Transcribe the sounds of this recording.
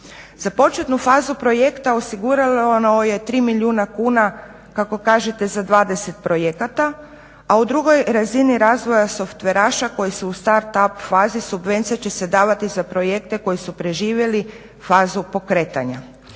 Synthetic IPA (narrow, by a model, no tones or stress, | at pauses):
z̥apo̞t͡ʃe̞t̪nufaːzupɾo̞je̞kt̪ao̞siɡuɾalooje̞t̪ɾiːmilʲjuːnakuːna | kako̞kaːʒet̪e̞zad̪ʋaːd̪e̞se̞t̪̚pɾo̞jekat̪a | aud̪ɾuɡo̞jɾaziniɾaːzʋo̞jaso̞ft̪ʋe̞ɾaːʃako̞jisuːst̪aɾt̪apfaːzisubʋe̞nt̪sijat͡ɕe̞se̞d̪aːʋat̪izapɾo̞je̞kt̪e̞ko̞jisupɾe̞ʒiːʋje̞li | faːzupo̞kɾet̪aɲa̰